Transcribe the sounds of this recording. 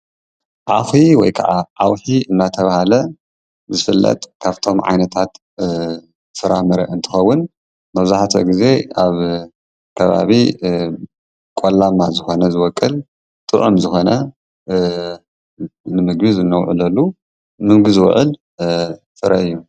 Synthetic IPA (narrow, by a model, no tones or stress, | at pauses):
ʕafiwɔ̰jkʰa̰ʕaʔawħiɨnːat̪ʰɐβahalɐ | zɨfɨlːɐ̰t̪ʼkʰaβt̪ʰo̞mʕa̰jnɐt̪ʰat̪ | fɨɾamɨɾɐ̰ʔɨnt̪ʰɨ̥xɐwːʊn | mɐβzaħt̪ʰɐ̰ɡize̞aβ | kʰɐβa̰βi | kʼolːamːazɨxo̞nɐzɨwɔkʼːɨl | t̪ʼɨʔumzɨxo̞nɐ | nɨmɨɡbizɨnːɐwʕɨ̰lɐlːu | mɨŋɡɨzɨw̰ʕɨl | fɨɾɐɨjːu